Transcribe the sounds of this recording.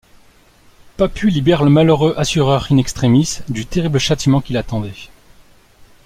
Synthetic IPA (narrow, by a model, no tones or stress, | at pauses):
papʰylibɛʁləmaløʁøʔasyʁœʁinɛkst̪χemisd̪yt̪eʁibləʃat̪imɑ̃kʲilat̪ɑ̃d̪ɛ